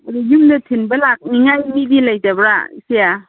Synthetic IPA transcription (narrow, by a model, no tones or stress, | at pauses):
adujumnɐtʰinbɐlak̚niŋajmibilajtabɾasija